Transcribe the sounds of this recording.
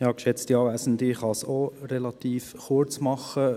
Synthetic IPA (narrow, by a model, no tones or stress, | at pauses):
jɑːkʃɛt͡stiɑːvæɪsən̩dɪχɑsoɾɛlɑt̪iːfχʊɾt͡smɑχə